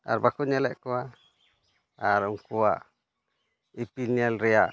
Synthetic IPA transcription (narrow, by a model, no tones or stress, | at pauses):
a̰ɾbakuɲalɛʔkua | aɾuŋkua | ipinialɾia